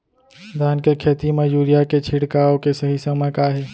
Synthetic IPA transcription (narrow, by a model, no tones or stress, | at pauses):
d̪ʱaːnkekʰeːt̪imẽjuːɾijaket͡ʃʰiɽkaːõkesəɦisəməkaɦɛː